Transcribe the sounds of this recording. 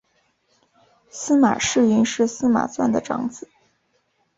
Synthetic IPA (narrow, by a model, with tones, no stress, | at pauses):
sɹ̩˥ma̰˨˩ʂɻ̩˥˩y˥˧nʂɻ̩˥˩sɹ̩˥ma̰˨˩swa˥˩nd̪ə˩ʈ͡ʂɑ̰˧˥ŋt͡sɹ̩˨˩˦